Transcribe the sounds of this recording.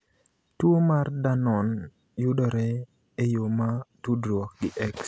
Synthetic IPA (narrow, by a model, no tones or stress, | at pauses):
twomardanɔn | jʊdɔɾɛ | ejomatudɾɔk̚ɡɪʔɛks